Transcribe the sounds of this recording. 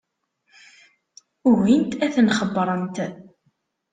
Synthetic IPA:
ʊwint̪æθnχəbːɾˤənt̪

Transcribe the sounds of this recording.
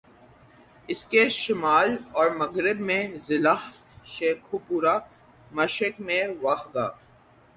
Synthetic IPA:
ɪskeʃɪmaːlɔːɾmɐɣɾɪbmẽzɪlaːh | ʃeːkʰupuːɾa | mɐʃɪkmẽʋaxɡa̰ː

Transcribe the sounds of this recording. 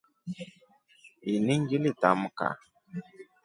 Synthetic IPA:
iniŋɡilitamuka̰

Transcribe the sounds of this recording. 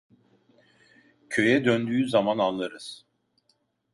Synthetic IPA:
cʰø̞jɛd̪ønd̪yːzamanalˠːaɾɯz̥

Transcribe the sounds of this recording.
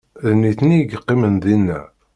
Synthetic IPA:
ðniθniɡqːimənðinːæ̰

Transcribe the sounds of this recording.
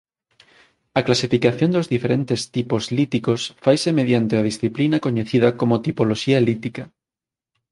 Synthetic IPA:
ɐklasifikaθjond̪ozðifeɾẽnt̪est̪ipozlit̪ikosfajsemeðjant̪eað̞isθiplinakoɲeθiðakomot̪ipoloʃialit̪ika

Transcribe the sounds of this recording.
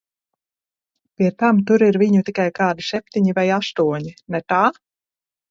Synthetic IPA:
pʲiɛt̪amt̪uɾiɾviɲut̪ikajkaːd̪iʃsɛp̚ʲt̪iɲivajast̪uɔɲinɛt̪aː

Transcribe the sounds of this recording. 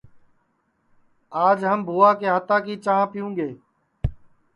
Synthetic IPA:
aːd͡ʒɦəmbʱuːaːkeːɦət̪aːkiːt͡ʃãːpɪjũːɠeː

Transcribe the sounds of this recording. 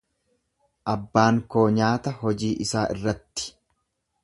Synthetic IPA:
ʔɐbːaːŋko̞ːɲaːt̪ɐɦɔd͡ʒiːʔɪsaːʔɪ̰rːɐt̪ːɪ̥

